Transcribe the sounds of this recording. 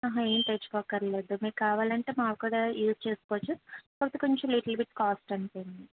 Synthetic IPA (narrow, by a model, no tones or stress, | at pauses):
aːɦɐeːnt̪et͡ʃːu̥kɔkːɐɾleːd̪umiːɾkaːʋaːlɐɳʈe̞ːmaːkkuɽaːjuːst͡ʃe̞ːsu̥koːt͡ʃːupot̪ikuɲt͡ʃuliʈɐlbiʈkaːsʈɐnipojnd̪i